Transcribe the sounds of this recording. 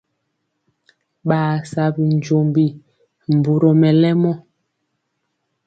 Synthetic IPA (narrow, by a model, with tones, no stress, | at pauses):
ɓaː˨sa˨bi˨n˨d͡ʒo˨mbi˨ | m˨bu˨ɾɔ˨mɛ˨lɛ˦mɔ˦